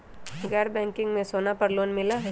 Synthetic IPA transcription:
ɡɛːɾbɛ̃ːŋkɪ̃ŋɡmẽsoːnapɐɾloːnmɪlaɦɛ

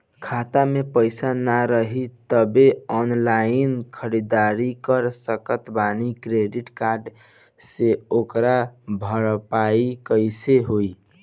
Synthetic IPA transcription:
kʰat̪amepəɪsanaɾəɦit̪əbeɔnlainkʰəɾid̪aɾikəɾsəkət̪banikɾeɖiʈkaɾɖ | seokɾabʱəɾpaikəɪseɦoi

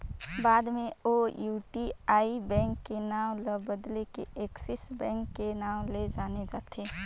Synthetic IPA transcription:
baːd̪meojuʈiaibɛ̃ŋkːenaw̃ləbəd̪lekeeksisbɛ̃ŋkːenaw̃led͡ʒaːned͡ʒaːt̪ʰe

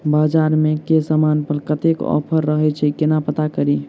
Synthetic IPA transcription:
bad͡ʒaɾmekesamanpəɾkət̪ekɔ̰pʰəɾːəɦɛt͡ʃʰɛkenapət̪akəɾi

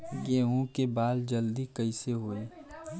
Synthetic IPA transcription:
ɡeːɦũkebaːld͡ʒɐld̪ikɐiseɦoːeː

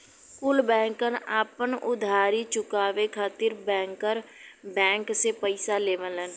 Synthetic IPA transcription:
kʊːlbɛ̃ːŋkənaːpənʊd̪ʱaːɾit͡ʃʊkaːʋekʰaːt̪iɾbɛ̃ːŋkəɾbɛ̃ːŋksepəɪsaleːʋənən

